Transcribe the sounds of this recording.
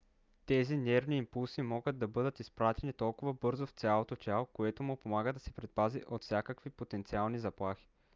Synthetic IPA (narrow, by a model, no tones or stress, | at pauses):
t̪ɛzinɛɾniːmpulˠsimɔɡəd̪̚d̪ɐbɤd̪ət̪ispɾat̪ɛnit̪ɔlˠkʊvəbɤɾzoft̪sʲalˠot̪ot͡ʃʲalˠokoɛt̪omʊpomaɡəd̪ɐsɛpɾɛt̪̚paziʔot̪fsʲjakəkvipot̪ɛnt̪sialˠnizɐplˠaxi̥